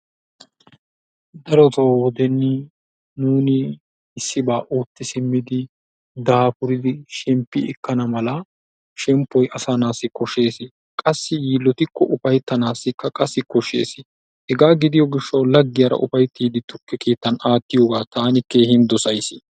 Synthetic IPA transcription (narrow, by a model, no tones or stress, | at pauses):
d̪ɐɾɔt̪owɔd̪ɛnːɪ | nuːnɪː | sːɪbaːʔoːt̪ːɪsɪmːɪd̪ɪ | d̪aːpʊɾɪd̪ɪʃɛmpːɪɛkːɐnɐmɐlɐ | ʃɛmpːɔjɐsanaːsːɪkɔʃe̞ːsɪ | kʼɐsːɪjiːlːɔt̪ɪkːɔʔʊfɐjt̪ːɐnaːsːɪkːɐkʼɐsːɪkɔʃḛːsɪ | hɛɡaːɡɪd̪ɪjɔɡɪʃːɐwlɐɡːɪjɐɾɐ̰ʔʊ̰fɐjt̪ːiːd̪ɪt̪ʊkːɛke̞ːt̪ːɐnaːt̪ːɪjoːɡaːt̪aːnɪke̞ːhɪnd̪ɔsɐjsɪ